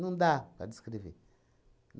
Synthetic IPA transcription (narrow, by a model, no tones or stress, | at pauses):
nundabadiskidivḭ | n